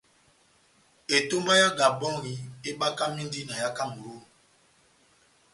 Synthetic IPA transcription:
e˨to˦mba˦ja˦ɡa˨bɔ̃˦ɾi˨e˦ɓa˦ka˦mi˦ndi˦na˨ja˦ka˦mu˨ɾo˦

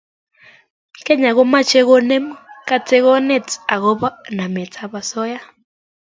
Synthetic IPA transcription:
kɛ˦ɲa˨ɣo˦ma˦t͡ʃe˦ɣo˦ne˦mɔ˦ka˦t͡se˦ɣɔ˦ne˦˨t͡sa˨ɣo˦βa˦na˨mɛ˨t͡sʰa˨βa˨sɔ˦ja˦

